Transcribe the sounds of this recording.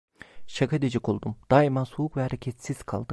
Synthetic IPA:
ʃakʰad̪ed͡ʒikʰolˠd̪umd̪̥aimansoukvɛhaɾecʰɛt̪siz̥kʰa̰lˠd̪ɯ

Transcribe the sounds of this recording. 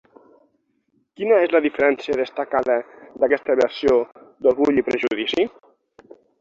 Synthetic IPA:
kinəezləðifəɾɛnsiəðəst̪akaðəðakɛst̪əβeasiod̪oɾɣuʎipɾeʒuðisi

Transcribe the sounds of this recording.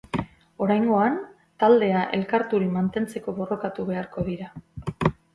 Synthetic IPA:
o̞ɾajŋɡo̞an | t̪ald̪e̞aʔe̞̰lkaɾt̪uɾimant̪e̞nt͡se̞ko̞βo̞ro̞kat̪uβe̞aɾko̞ðiɾa

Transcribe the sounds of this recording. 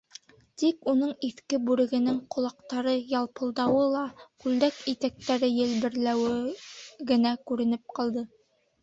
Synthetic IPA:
t̪ikunɤɴiθkɘbʉɾɘ̆ɡɘ̆nɘŋqʰŏlˠɑqt̪ɑɾɤjɑlˠpɤ̆lˠd̪ɑwɤlˠɑkʉld̪ækit̪æk̚t̪æɾɘjɘ̆lbɘ̆ɾlæwɘ | ɡɘ̆nækʉɾɘ̆nɘp̚qɑlˠd̪ɤ

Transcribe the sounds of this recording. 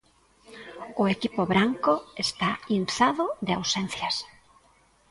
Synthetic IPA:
ʊekipʊβɾaŋkʊest̪ainθaðʊðeawsen̟θjas

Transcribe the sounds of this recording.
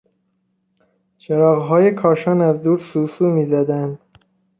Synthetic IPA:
t͡ʃʰeɾɒːɣɦɒːjekʰɒːʃɒːnæzd̪uːɾsuːsuːmiːzæd̪ænd̪

